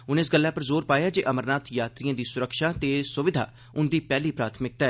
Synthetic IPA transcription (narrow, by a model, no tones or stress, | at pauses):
ʊnɪs̬ɡəlːaːpəɾzoːɾpaːjaːd͡ʒeːʔəməɾnaːt̪ʰjaːt̪ɾijãːd̪iːsʊɾəkʃaːt̪eːsʊʋɪd̪ʱa̰ː | ʊnd̪iːpɛːliːpɾaːt̪ʰmɪk̚t̪ɛː